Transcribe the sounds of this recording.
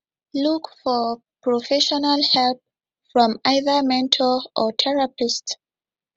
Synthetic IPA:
lukfɔ | pʰɹɔfɛʃɔnalhɛlp̚ | fɹɔ̃maɪðə˞mɛ̃ntʰɔʔɔtʰɛɹapɪst

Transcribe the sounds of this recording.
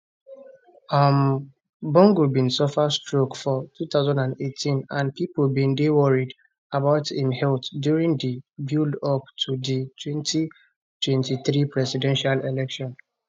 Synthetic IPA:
am | bɔ̃ŋɡubĩnsɔfastɹokfɔtut̪aʊzãndãndetʰĩnãnpipolbĩndewɔɹid | abaʊtĩmhɛltdjuɹĩŋdibjulɔptʰuditʰwɛ̃nti | twɛ̃ntiθɾipɹɛsidɛ̃nʃalelɛkʃɔ̃n

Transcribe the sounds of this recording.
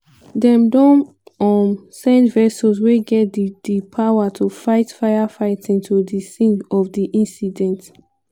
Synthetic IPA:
dɛ̃mdõn | ɔmsɛ̃ndvɛsɔzweɡɛt̚dd̥ipʰawatʰufaɪtfaɪafaɪtĩntʰudisĩnɔfdiʔĩnsidɛ̃nt

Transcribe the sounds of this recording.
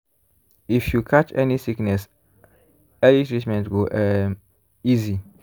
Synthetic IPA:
ifjukʰat͡ʃɛnisiknɛs | ɛlitɹit͡ʃmɛ̃ntɡoʔɛ | izi

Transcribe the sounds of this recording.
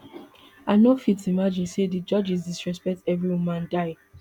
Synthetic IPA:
aɪnofitimad͡ʒĩnsedid͡ʒʌd͡ʒizdisɹɛspɛk̚tɛvɹiwumãndaɪ

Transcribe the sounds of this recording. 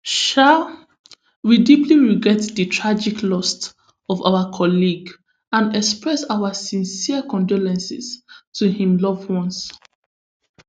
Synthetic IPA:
ʃa | widipliɹiɡɹɛtðətʰɹad͡ʒikʰlɔst | ɔva̰ʊəkʰɔliɡ | ãnɛkspɹɛsaʊəsĩnsiəkɔ̃ndɔlɛ̃nsḭstʰuhĩmlɔvwɔ̃ns

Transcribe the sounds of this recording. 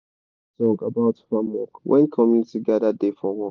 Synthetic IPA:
z̥ɔ̃ɡəbaʊtfãmwɔkwʔɛ̰̃nkʰɔmjunɪtʰiɡadadefɔwɔ

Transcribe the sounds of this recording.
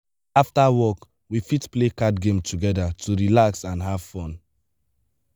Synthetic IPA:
aftawɔk | wifitplekadɡẽmtʰuɡɛdatʰuɹilaksãnɦav̥fɔ̃n

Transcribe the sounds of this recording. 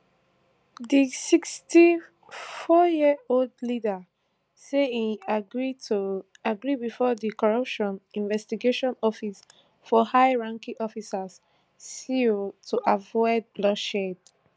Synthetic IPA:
disiksti | fɔjioldlida | seĩaɡɹit | aɡɹibifɔdikɔɹʌpʃɔ̃nĩnvɛstiɡeʃɔ̃nɔfis | fɔhaɪɹãŋkĩʔɔfisas | siotʰuʔavɔɪd̚blɔʃed

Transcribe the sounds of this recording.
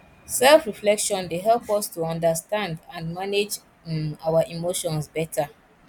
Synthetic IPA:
sɛlfɹiflɛkʃɔ̃ndeɦɛlˠpɔstuɔ̃ndəstãndãnmaned͡ʒ | awaʔimoʃɔ̃nsbɛtʰa

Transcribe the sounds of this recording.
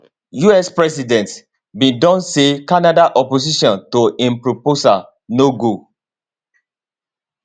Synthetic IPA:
juɛspɹɛsidɛ̃nt | bĩdɔ̃nsekanadaʔɔposiʃɔ̃ntoĩmpɹoposa | noɡo

